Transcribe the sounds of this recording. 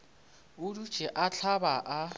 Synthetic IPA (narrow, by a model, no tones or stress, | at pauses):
ʊdu̥ʒ̥ʱʼɛʔat͡ɬʰabaʔa